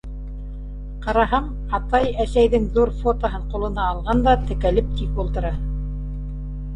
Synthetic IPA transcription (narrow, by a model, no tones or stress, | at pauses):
qɑɾɑɦɑɴ | ɑt̪ɑjæsæjðɘŋðuɾfot̪oɦɤɴqulˠɤ̆nɑːlˠʁɑnd̪ɑt̪ɘ̆kælɘp̚t̪ipulˠt̪ɤ̆ɾɑ